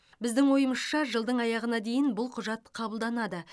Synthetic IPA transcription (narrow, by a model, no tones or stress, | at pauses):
bɪzd̪ɪŋwo̞jəməsʃɑʒəlˠd̪əɴɑjɑʁənɑd̪e̞jɪnbʊlˠqʰʊʒɑt̪qʰɑbəlˠd̪ɑnɑd̪ə